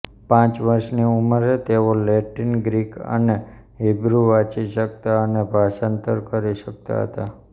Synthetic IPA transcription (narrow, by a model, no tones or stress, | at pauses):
pãt͡ʃʋəɾʃniuməɾet̪eʋoleʈinɡɾikə̰ne | ɦebɾuʋat͡ʃiʃək̚t̪aənebʱaʃə̃nt̪əɾkəɾiʃək̚t̪a̰ɦə̰t̪a